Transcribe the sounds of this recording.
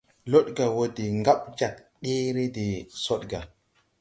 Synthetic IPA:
lo˦ɗɡa˨wo˦di˨ŋɡa˦ɓd͡ʒa˨k | ɗi˦ɾi˦di˨so˦ɗɡa˨

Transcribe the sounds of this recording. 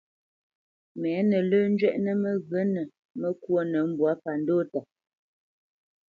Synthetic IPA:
mɛː˨˦nə˨ləː˦n̩˦d͡ʒɥɛ˦ʔnə˦mə˦ɣə˨˦nə˨ | mə˦kwo˦nə˨˦m̩˦bwa˨˦pa˨n˦doː˦ta˨

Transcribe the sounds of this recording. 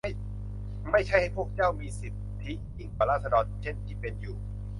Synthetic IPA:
j | ma˥˩jt͡ɕʰa˥˩jha˥˩jpʰu˥˩ək̚t͡ɕaː˥˩wmiː˧si˨˩p̚t̪ʰi˦˥ji˥˩ŋkaː˨˩laː˥˩t̪sa˧dɔː˧nt͡ɕʰe˥˩nt̪ʰiː˥˩pe˧njuː˨˩

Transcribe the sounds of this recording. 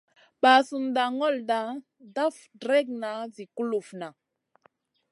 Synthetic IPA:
ba˨su˨mda˨ŋɔ˦lda˨˦ | da˦f | dɾɛ˦k̚na˨˦zi˨ku˦lu˨fna˨

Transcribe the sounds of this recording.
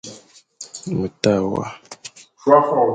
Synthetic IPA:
mə˨ta˦˨wa̰˦ʃwa˦fɔ˨

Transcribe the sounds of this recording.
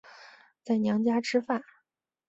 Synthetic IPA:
t͡sa˥˩ɪnjɑ˧˥ŋt͡ɕja˥ʈ͡ʂʰɻ̩˥fa˥˩

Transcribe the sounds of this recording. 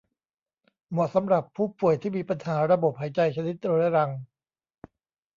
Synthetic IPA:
mu˨˩sa˩˦mɾa˨˩pʰːuː˥˩pu˨˩əjt̪ʰiː˥˩miː˧pa˧nhaː˩˦ɾa˧bo˨˩p̚haː˩˦jt͡ɕa˧jt͡ɕʰa˧ni˦˥t̪̚ɾo˧la˦˥ɾa˧ŋ

